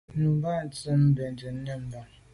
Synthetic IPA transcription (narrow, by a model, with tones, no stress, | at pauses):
nu˨m˦ba˦˨n̩˨tə˦m̩˦be˨n̩˨d͡ʒe˨n̩˦ne˦m̩˦ba˦